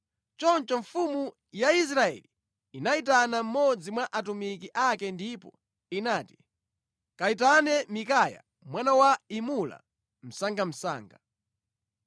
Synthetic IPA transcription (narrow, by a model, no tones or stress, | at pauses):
t͡ʃɔnt͡ʃɔɱfumu | jais̬ɾaɛ̰li | inait̬anam̩mɔd͡zimwaʔatumikiʔakɛndipɔ | inaːti̥ | kaitanɛmikaja̰ | mwanawaimula̰ | m̩saŋɡam̩sa̰ːŋɡa